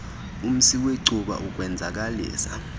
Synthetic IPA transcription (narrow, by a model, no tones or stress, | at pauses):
um̩siweǀʱuɓa̰ʔuk̬ʼwɛnd͡zʱak̬ʼalḭːsa̰